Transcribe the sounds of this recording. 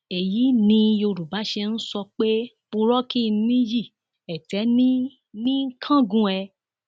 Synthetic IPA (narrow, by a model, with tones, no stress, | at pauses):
e˨ji˨˦nĩ˧jo˧ɾu˨ba˨˦ʃe˧n̩˦sɔ˧k͡pe˦ | k͡pu˧ɾɔ˦ki˦˧˦nĩ˦ji˦˨ | ɛ˨tɛ˨˦nĩ˦ | nĩ˦kʰã˦˨ɡũ˧ɛ˧